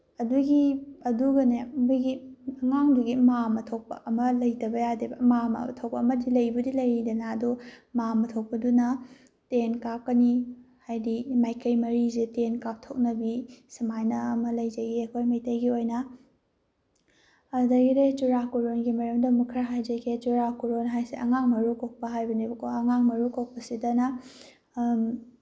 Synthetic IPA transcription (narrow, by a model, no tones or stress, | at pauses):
ɐduɡiɐduɡɐnemuɡiɐŋaŋduɡimamɐtʰok̚pɐ̰ʔɐmɐlɐjdɐbɐjadibɐmamɐ̰tʰok̚pɐɐmɐdilɐjbɐdilɐjɾidɐnaːdumamɐtʰok̚pɐdunɐ | tenkap̚kɐnihajdimajkʰɐjmɐɾizetenkap̚tʰok̚nɐbisimajnɐɐmɐlɐjzɐɡiɐkʰojmɐjtɐjɡiojnɐ | ɐdɐɡidet͡ʃuɾakuɾonɡimɐɾɐmdɐmukʰɾaɦajd͡ʒɐkʰet͡ʃuɾakuɾonɦajseʔɐŋaŋmɐɾukok̚pɐɦajbɐnibkʰoɐŋaŋmɐɾukok̚pɐsidɐnɐ